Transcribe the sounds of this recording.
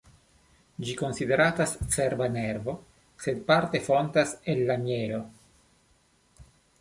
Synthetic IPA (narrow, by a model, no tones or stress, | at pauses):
d͡ʒiko̞nside̞ɾatast͡seɾbaneɾvo̞ | se̞d̪̚paɾt̪e̞fɾontaselːamjeɾo̞